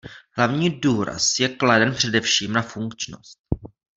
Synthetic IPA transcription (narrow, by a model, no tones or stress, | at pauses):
ɦlavɲiːduːɾa̰sjɛkladɛnpr̝̥ɛdɛfʃiːmnafuŋkt͡ʃno̰st̪̚